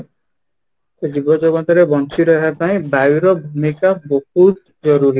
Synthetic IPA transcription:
ed͡ʒibɔd͡ʒɔɡɔt̪ɔɾebɔnt͡ʃiɾɔapaĩbauɾɔbʱumikabohut̪̚ | d͡ʒɔɾuɾi

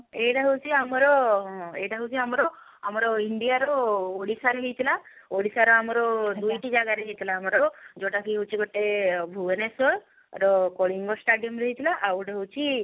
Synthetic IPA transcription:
eʈaɦəwt͡ʃʰiamɔɾɔḛjʈaɦəwt͡ʃʰiamɔɾɔ | amɔɾɔiɳɖijaɾɔoɽisaɾeɦijt̪ʰila | oɽisaɾɔamɔɾɔd̪ujʈid͡ʒaɡaɾed͡ʒit̪ʰilaːmɔɾɔd͡ʒoʈakiɦut͡ʃʰiɡɔʈebʱuenesɔɾ | ɾɔkɔɽiŋɡɔsʈaɖijɔmɾeɦit̪ʰilaʔawɽeɦowt͡ʃʰi

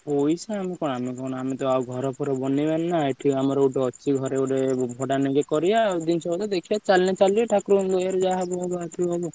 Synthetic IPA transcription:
pojsaamikɔnamikɔnɔamit̪ɔaɡʱɔɾɔpʰuɾɔbɔnibanːaeʈʰiamɔɾɔuʈɔɔːʃʰiɡʱɔɾeoɾebʱɔʈaniɡekɔɾijad̪insɔbɔt̪ɔd̪ekʰijat͡ʃalnet͡ʃaliɔʈʰakɾumd̪ɔjaɾɔd͡ʒaɦabɔɦɔbat̪ɾuɔbɔ

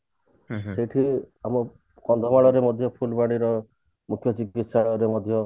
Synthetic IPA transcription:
seʈʰi | amɔ | kɔnd̪ʱɔmaɭɔɾemɔd̪ʱjɔpʰulbaɽ̃iɾɔ | mukʰjɔd͡ʒiɡisaɔɾemɔd̪ʱjɔ

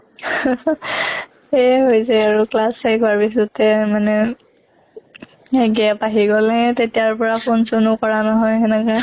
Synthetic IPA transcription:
ɛɦojzɛaɹuklasejkɔaɹpis̬ɔtɛmanɛ | ɡiapaɦiɡɔlɛtetijaɹpɔɹapʰonsonʊkɔɹanɔɦɔjɛnɛka

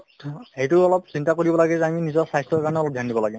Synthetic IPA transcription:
hejtʊɔlɔpsintakoɹibɔlaɡɛzɛaminizɔsajstɔkaɹɔnɛɔlɔp̚dʱjandibɔlaɡɛ

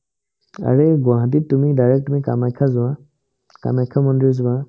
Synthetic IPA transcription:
a̰ɹeɡʊãɦãt̬itumidajɹɛk̚tumika̰majkʰːazʊwã | ka̰majkʰamɔndizʊba

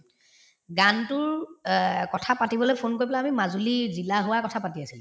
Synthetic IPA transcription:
ɡantʊɹ | kɔtʰapatibɔlojpʰonkoɹipɛlaamimazulizilaɦʊwakɔtʰapatiasilʊ

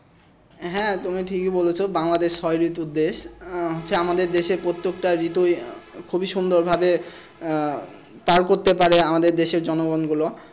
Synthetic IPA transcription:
ɦɛ̃t̪umiʈʰikibolet͡ɕʰobaŋlad̪eʃːɔjɾit̪ud̪ːeʃɦot̪ːɕʰeamad̪eɾd̪eʃeɾpɾot̪ːekʈaɾit̪ojkʰubiʃund̪oɾbʱabe | paɾkoɾt̪epaɾeamad̪eɾd̪eʃeɾd͡ʑɔnoɡɔnɡulo

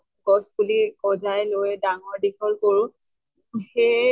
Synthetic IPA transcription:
ɡɔsbulikɔzajlojɛdaŋɔɹdikʰɔlkoɹʊ̃ | xe

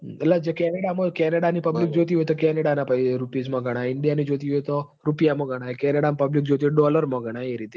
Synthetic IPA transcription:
əlːad͡ʒekɛneɽaməkɛneɽanipəblik̚d͡ʒot̪iɦoet̪okɛneɽanapaiɾupizmə̃ɡʱəɽ̃aɪɳɖijanid͡ʒot̪iɦujet̪o | ɾupijaməɡʱəɽ̃aekɛneɽampəblik̚d͡ʒot̪ieɖɔləɾməɡʱəɽ̃aeɾit̪e

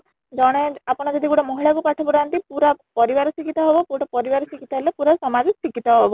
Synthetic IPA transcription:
d͡ʒɔɽ̃eapɔɽ̃ad͡ʒɔd̪iɡuɽɔmɔɦiɭakupaʈʰɔbɔɾant̪ipuɾapɔɾibaɾɔsikit̪aɦɔbɔpuʈɔpɔɾibaɾɔsikit̪aɦelepuɾasɔmad͡ʒiksikit̪aɦɔbɔ

